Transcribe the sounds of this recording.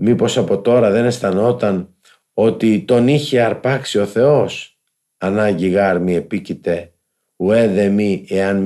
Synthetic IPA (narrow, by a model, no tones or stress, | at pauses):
mipo̞sɐpo̞t̪o̞ɾɐðe̞ne̞st̪ɐno̞t̪ɐn | o̞t̪it̪o̞niçeɐɾpɐksio̞θe̞o̞s | ɐnɐɲʝiɣɐɾmie̞picit̪e̞ | ue̞ðe̞mieɐn